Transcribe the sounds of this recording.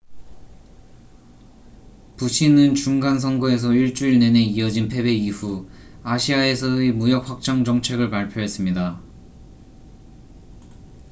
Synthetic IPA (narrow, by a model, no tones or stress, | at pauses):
puɕʰinɯnt͡ɕuŋɡans̬ʰʌŋɡoe̞s̬ʰʌiɭt͡ɕ͈uiɭne̞ne̞iʌd͡ʑinpʰe̞be̞iɸu | aɕʰiae̞sʰʌemujʌk̚ɸak̚t͡ɕ͈ʌŋd͡ʑʌŋt͡ɕʰe̞ɡɯɭpaɭpʰjoɦe̞s͈ɯmɲida